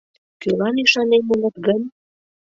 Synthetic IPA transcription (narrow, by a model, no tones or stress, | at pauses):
kølɑniʃɑnemulə̆t̪ɡənʲ